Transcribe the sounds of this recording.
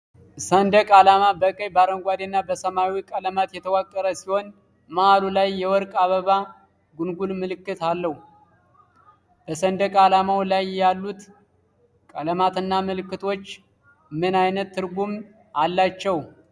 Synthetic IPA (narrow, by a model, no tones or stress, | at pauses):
sənd̪əkʼalamabəkʼəjbaɾəŋɡʷad̪enːabəsəmawikʼələmat̪jɛt̪ʰəwakʼːəɾəsiho̞n | maʔalulajːɛwɔɾkʼaβəβa | ɡunɡulmɨlɨkːɨt̪alːəhu | b̥əsənd̪əkʼalamawlajjalːut̪ | kʼələmat̪ɨnːamɨlɨkːɨt̪ʰo̞t͡ʃː | mɨnajnət̪ːɨɾɡum | alːat͡ʃːɛw